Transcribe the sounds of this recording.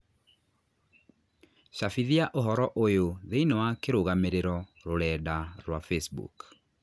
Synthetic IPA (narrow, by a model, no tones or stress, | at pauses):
ɕafiðiaʔoɦɔɾɔʔojoðeinɔwakeɾoɣameɾeɾɔɾoɾɛːdaɾwafesbṵk